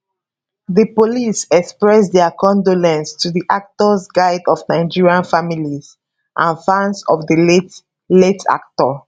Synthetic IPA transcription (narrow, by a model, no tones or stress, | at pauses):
ðəpolisɛkspɹɛsdɛkɔ̃ndolɛ̃nstʰuðiʔak̚tɔsɡaɪdɔvnaɪd͡ʒiɹiãnfamiliz | ʔãnfãnsɔ̰vðəlet | letʰa̰k̚tɔ